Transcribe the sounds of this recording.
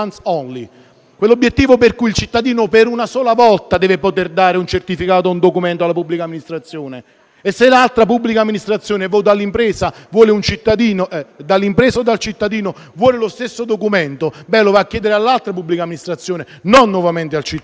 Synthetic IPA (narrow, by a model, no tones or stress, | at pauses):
nsɔnli | kwelːobːjet̪ːiːvoperkuilt͡ʃit̪ːad̪iːnopeɾunasɔːlavɔlt̪ad̪ɛːvepot̪erd̪aːɾeunt͡ʃert̪ifikaːt̪ound̪okument̪oalːapubːlikamːinist̪ɾat̪sːjoːneː | sːelalt̪ɾapubːlikamːinist̪ɾat̪sːjoːnevɔt̪alːimpɾɛːsavwɔːleunt͡ʃit̪ːad̪iːnoɛd̪alːimpɾɛːsaod̪ːalt͡ʃit̪ːad̪iːno | vwɔːlelost̪esːod̪okument̪obɛlːovaːkːjɛːd̪eɾealːalt̪ɾapubːlikamːinist̪ɾat̪sːjoːne | nonːwɔvament̪ealt͡ʃi